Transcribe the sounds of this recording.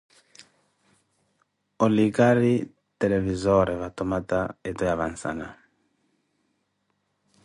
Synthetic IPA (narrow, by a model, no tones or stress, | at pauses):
oliɡaɾi | t̪elevizɔɾevat̪omat̪aet̪ɔjavansa̰na